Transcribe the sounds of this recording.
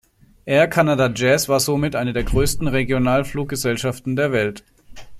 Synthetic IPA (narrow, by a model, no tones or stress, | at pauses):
ʔeːɐkʰanadad͡ʒɛːsv̥aːɐzomɪtʔaɪnədeːɐɡʁøːstn̩ʁeɡjonaːlfluːk̚ɡ̥əzɛlʃaftn̩deːɐvɛlt